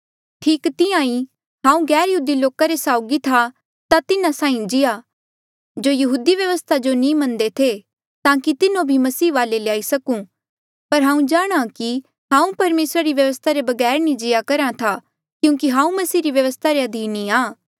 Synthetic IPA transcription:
ʈʰiːkt̪ɪãːĩ | ɦãːũɡɛːɾjɐɦuːd̪iloːkaɾesaːʊɡit̪ʰa | t̪at̪ɪnãsãːĩd͡ʒɪja | d͡ʒojɐɦuːd̪iʋjɐʋəst̪ʰad͡ʒonĩmɐ̃nd̪et̪ʰe | t̪ãːkit̪ɪnõbʱimɐsiːʋaːleleaːisɐkũ | pɐɾɦãːũd͡ʒaːɽ̃aki | ɦãːũpɐɾmeːsɾaɾiʋjɐʋəst̪ʰaɾebɐɡɛːɾnĩd͡ʒɪjakɐɾãt̪ʰa | kjũːkiɦãːũmɐsiːɾiʋjɐʋəst̪ʰaɾeɐd̪ʱiːnːĩaː

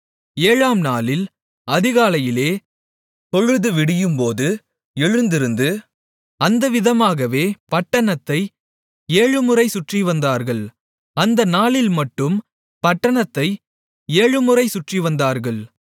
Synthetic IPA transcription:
eːɻaːmnaːlɪl | ɐðɪɣaːlɐjɪleː | t̪ɔɻɯðɯʋɪɽɪjɯmpoːðɯ | ɛɻɯnd̪ɪɾɯnd̪ɯ | ɐnd̪ɐʋɪðɐmaːɣɐʋeːpɐʈːɐɳɐt̪ːɐɪ | eːɻɯmɯrɐɪsʊʈriʋɐnd̪aːɾɣɐɭ | ɐnd̪ɐnaːlɪlmɐʈːɯm | pɐʈːɐɳɐt̪ːɐɪ | eːɻɯmɯrɐɪsʊʈriʋɐnd̪aːɾɣɐɭ

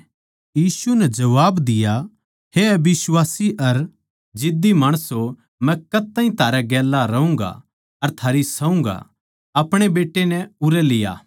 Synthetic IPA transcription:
jiːsunɛd͡ʒɐʋaːbd̪ɪja | heɐbɪswaːsiʔɐɾ | d͡ʒɪd̪imaːɽ̃əso | mɛ̃kɐt̪ːaːĩt̪ʰaːɾaɡɛːlːaɾɐɦũːŋɡa̰ | ɐɾt̪ʰaːɾisɐũŋɡa̰ | ɐpɽ̃ebeːʈːenɛʊɾɛlɪja̰ː

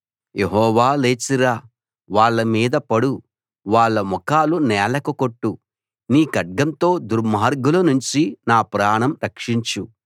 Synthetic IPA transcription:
jeɦɔːʋaːleːt͡ʃiɾaː | ʋaːɭːɐmiːd̪ɐpɐɽu | ʋaːɭːɐmɔkaːlunɛːlɐkɐkoʈːu | niːkɐɖ̚ɡɐnt̪o̞ːd̪uɾmaːɾɡulɐnuɲt͡ʃinaːpɾaːɳɐmɾɐkʂiɲt͡ʃu

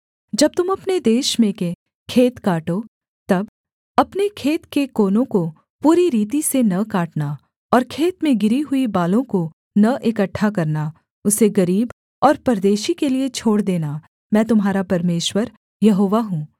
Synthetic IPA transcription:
d͡ʒɐb̚t̪ʊmɐpned̪eːʃmẽke | kʰeːt̪kaːʈo | t̪ɐb | ɐpnekʰeːt̪kekoːnõko | puːɾiɾiːt̪isenɐkaːʈna | ɔːɾkʰeːt̪mẽɡɪɾiɦʊibaːlõko | nɐʔekɐʈʰːakɐɾna | ʊseɡɐɾiːb | ɔːɾpɐɾd̪eːʃikeliet͡ʃʰoːɽd̪eːna | mɛ̃ːt̪ʊmɦaːɾapɐɾmeːʃwəɾ | jɐɦoːʋaɦũː

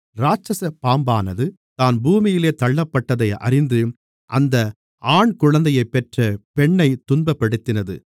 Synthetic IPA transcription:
ɾaːt͡ʃɐsɐpaːmbaːnɐðɯ | t̪aːnbuːmɪjɪleːt̪ɐɭːɐpːɐʈːɐðɐɪɐ̰ɾɪnd̪ɯ | ʔɐnd̪ɐ | ʔaːɳkʊɻɐnd̪ɐjɐɪpːɛʈrɐpɛɳːɐɪt̪ːʊnbɐpːɐɽɯt̪ːɪnɐðɯ̰

